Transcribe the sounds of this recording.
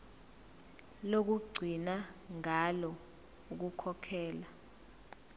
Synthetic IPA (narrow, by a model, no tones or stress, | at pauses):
lok̬uɡ͡ǀʱinaŋalɔ | uk̬ukʰɔkʰɛːla